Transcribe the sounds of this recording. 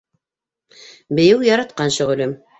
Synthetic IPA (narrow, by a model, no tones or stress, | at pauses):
bɘ̆jɘwjɑɾɑt̪̚qɑnɕɵ̆ʁɵ̆lɘm